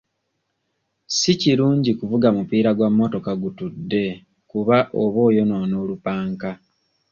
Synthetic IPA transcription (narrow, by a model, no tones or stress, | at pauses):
siciɾuːɲɟikuvuɡamupiːɾaɡwamːo̞to̞kaɡutudːe̞ | kuβaʔoβo̞ːjo̞nono̞ːlupaːŋka